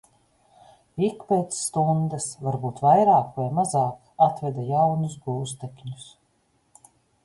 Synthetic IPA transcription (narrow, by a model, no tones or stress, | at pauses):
ikpeːt̪sːt̪und̪ɐsvaɾbuːt̪vajɾaːkvajmazaːk | at̪vʲɛd̪ajawnusɡuːs̬t̪ekʲɲus